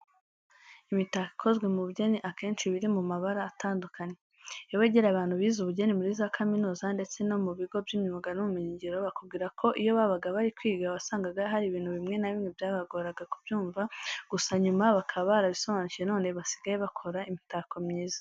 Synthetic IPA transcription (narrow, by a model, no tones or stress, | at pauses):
imitaki̥kʰo̞zɡwe̞muβuɟe̞niʔake̞ːnʃiβiɾimumaβaɾaːtaːndukaɲe̞ | ewe̞ːɟeɾaβaːn̥huβiːzuβuɟe̞nimuɾizakʰaminuːzande̞t͡se̞no̞muβiɡo̞bjimɲiβaɡanumumiɲiɲɟiɾo̞βakub̚ɡiɾakʰo̞ʔijo̞βaβaɡaβaɾikwiːɡaβasaːŋɡaɡaɦaɾiβiːn̥huβimŋe̞naβimŋebjaːβaɡoɾaɡakubjuːɱvaɡ̥usaɲumaβakʰaββaɾaβiso̞βaːnuciʒeno̞ːne̞βasi̥ɡajeβakʰo̞ɾaimitakomɲiːzḁ